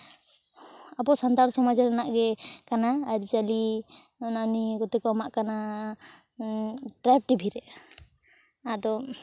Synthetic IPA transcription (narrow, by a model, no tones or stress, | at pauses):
abɔsant̪aɾsɔmad͡ʒaɾanaʔɡɛkanaːɾid͡ʒali | nanikɔt̪ɛkɔamaʔkana | ʈɾɛp̚ʈibʱiɾɛ | ad̪ɔ